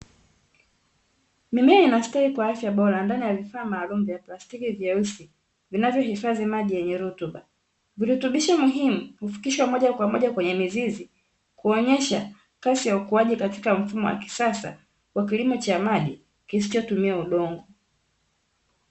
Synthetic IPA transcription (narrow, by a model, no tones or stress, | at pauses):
mimɛinastaikwaafjaɓɔɾandanijavifaːmaːlum̩vjaplastikivjɛusi | vinavjɔhifazimaʄijɛɲɛɾutuɓa | viɾihutuɓiʃamuɦimuhufi̥kiʃwamɔʄakwamɔʄakwɛɲɛmizizi | kuɔɲɛʃa | kasijaukuaʄikati̥kam̩fumɔwa̰ki̥sasa̰ | wakilimɔt͡ʃamaɗi | kisi̥t͡ʃɔtumiauɗɔŋɡɔ